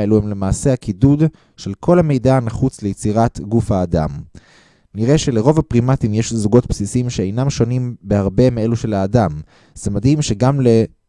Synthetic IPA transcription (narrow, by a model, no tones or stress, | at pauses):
eluhemle̞maːse̞hakidud | ʃe̞lkʰo̞lhame̞jdanaχut͡sle̞jet͡siʁatɡufhaːda̰m | niʁe̞ʃe̞leʁo̞vapʁimatimjeʃzuɡo̞t̚psisimʃeejnamʃo̞nimbehaʁbe̞meeluʃe̞laːdam | z̥emadhimʃe̞ɡamle̞